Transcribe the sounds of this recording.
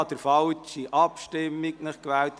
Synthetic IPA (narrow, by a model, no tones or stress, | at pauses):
d̥̪əɾfɑlt͡ʃiʔɑpʃtɪmːiknəχkʋæːlt̪